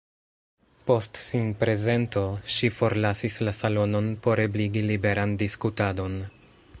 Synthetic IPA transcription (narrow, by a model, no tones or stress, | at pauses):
po̞stsinpɾe̞ze̞nto̞ʃifo̞ɾlasislasalo̞no̞npo̞ɾebliɡilibe̞ɾandiskutado̞n